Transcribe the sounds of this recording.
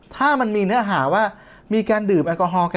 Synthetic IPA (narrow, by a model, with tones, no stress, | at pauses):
t̪ʰaː˥˩ma˧nmiː˧nɯ˦˥ɐɦaː˩˦waː˥˩ | miː˧kaː˧ndɯː˨˩mʔa˧kɔː˧ɦɔː˧ka˧